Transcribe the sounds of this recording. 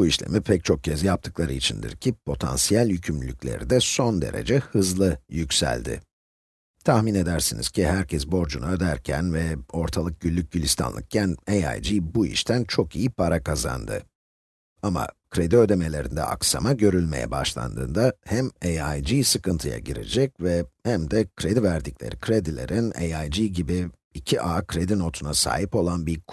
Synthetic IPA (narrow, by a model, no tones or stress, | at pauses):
buiʃlʲe̞̰mipʰɛc̚t͡ʃʰo̞k̚cʰɛzjap̚t̪ʰɯ̥klˠaɾɯit͡ʃʰind̪ḭɾcʰipʰo̞t̪ʰa̰nsijælʲjycʰymlʲycʲlʲe̞̰ɾḭd̪ɛso̞nd̪e̞̰ɾe̞̰d͡ʒɛhɯzlˠɯjycʲsæ̰lʲd̪ɪ̰ | t̪ʰaxmine̞d̪æɾsinḭz̥cʰihæɾcʰɛsbo̞ɾd͡ʒunaø̞d̪æɾcʰæ̰nvɛo̞ɾt̪ʰalˠɯk̚ɟ̥ylʲːyc̚ɟylʲːist̪ʰa̰nlˠɯ̰k̚cʰæneja̰jd͡ʒiːbuḭʃt̪ʰænt͡ʃʰo̞kijipʰaɾakʰaza̰nd̪ɯ̰ | ama̰kʰɾe̞d̪iø̞d̪e̞me̞lʲe̞ɾḭnd̪ɛ̰a̰ksa̰maɟø̞ɾylʲmejɛ̰ba̰ʃlˠa̰nd̪ɯ̰ːnd̪ahæmejajd͡ʒijsɯkɯnt̪ʰɯja̰ɟiɾḛd͡ʒɛcvɛhæmd̪ɛkʰɾe̞d̪ivæɾd̪iclʲe̞̰ɾikʰɾed̪ilʲe̞̰ɾʔinejajd͡ʒiːɟibiː | cʰiʔaːkʰɾe̞d̪ino̞t̪ʰunasa̰ːɦipo̞lˠanbiɾk